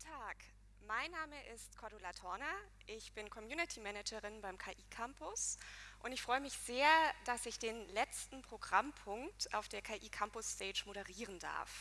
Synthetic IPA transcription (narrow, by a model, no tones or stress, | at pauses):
ɡn̩tʰaːk | maɪnːaːməʔɪstkʰɔɐdolatʰɔɐna | ʔɪçb̥ɪnkʰɔmjuːnɪtʰimɛnɛd͡ʒəʁɪnbaɪmkʰaːʔiːkʰampʊsʔʊntɪçfʁ̥ɔʏəmɪçz̥eːɐd̥asɪçd̥eːnlɛt͡stn̩pʁ̥oɡʁampʰʊŋktʔa̰ʊfd̥eːɐkʰaːʔiːkʰampʊsːtʰɛːd͡ʒmoɾəʁiːʁənda̰ɐf